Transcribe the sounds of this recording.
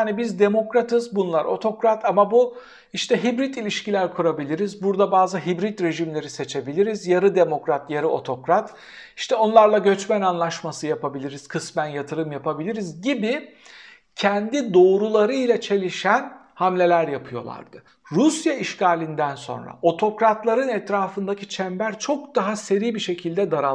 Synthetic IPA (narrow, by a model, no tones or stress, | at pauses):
anibizd̪e̞mo̞kɾat̪ʰɯzbunlˠaɾʔo̞̰t̪ʰo̞kɾat̪ʰamabu | iʃt̪ʰɛɦibɾit̪ilʲiʃcilʲæɾkʰuɾabilʲiɾizbuɾd̪abaːzɯɦibɾit̪ɾe̞ʒimlʲe̞ɾise̞t͡ʃʰe̞bilʲiɾizjaɾɯd̪e̞mo̞kɾat̪jaɾɯo̞̰t̪ʰo̞kɾat̪ | iʃt̪ʰɛo̞nlˠaɾlˠaɟø̞t͡ʃmænanlˠaʃmasɯjapabilʲiɾiz̥kʰɯsmænjat̪ʰɯɾɯmjapabilʲiɾizɟibi | cʰɛnd̪id̪o̞ːɾulˠaɾɯilʲat͡ʃʰe̞lʲiʃæn | hamlʲe̞lʲæɾjapʰɯjo̞lˠa̰ɾd̪̥ɯ | ɾusjaiʃcaːlʲind̪ænso̞̰nɾa̰o̞t̪ʰo̞kɾat̪lˠaɾɯnɛt̪ɾaːfɯnd̪acʰi̥t͡ʃʰɛmbæɾt͡ʃʰo̞kd̪aɦase̞ɾijbiʃe̞cʰilʲd̪ɛd̪aɾa